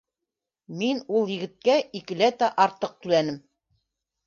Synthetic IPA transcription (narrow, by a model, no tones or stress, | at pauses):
minulˠjɘ̆ɡɘ̆t̪̚kæikɘ̆læt̪æʔɑɾt̪ɤq̚t̪ʉlænɘm